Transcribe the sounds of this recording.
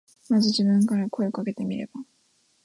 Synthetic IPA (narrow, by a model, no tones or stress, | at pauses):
mad͡ʑid͡ʑinɯŋkaɾakʰojokʰaɡet̪e̞miɾḛba